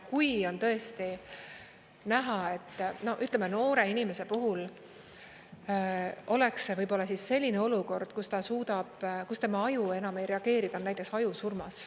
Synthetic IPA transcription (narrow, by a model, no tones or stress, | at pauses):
kujo̞nt̪ɤ̞e̞st̪i | næɦɑe̞t̪ːno̞ʔyt̪ˑlemeno̞ːɾe̞inime̞se̞puɦul | ʔo̞le̞ksevɤjbo̞lːɑsisːe̞lʲːine̞o̞luko̞rd̪̥kust̪ɑsuːd̪ɑb̥kust̪e̞mɑɑjue̞nɑme̞jɾe̞ɑɡ̥e̞ːɾid̪̥ɑonːæjt̪ːˑeksɑjusurmɑs